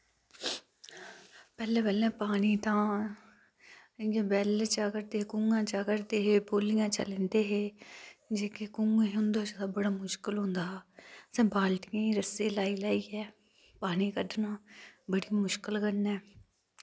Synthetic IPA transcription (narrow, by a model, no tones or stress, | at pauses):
pɛːlẽːbɛːlɛ̃ːpaːniːt̪ãː | jãːbɛːlt͡ʃaːkəɾd̪eːkũŋɡãːt͡ʃaːkəɾd̪eːɦeːboːlɪjãːt͡ʃə̰lẽːnd̪eːɦeːd͡ʒeːkekũŋɡẽʊnd̪oːt͡ʃəd̪aːbəɽaːmʊʃkəlɦõːnd̪aːsɛ̃ːbaːlʈ̪ɪjãːiːɾəseːlaːiːlaːiːɛː | paːniːkəɖnãːbəɽiːmʊʃkəlkənɛː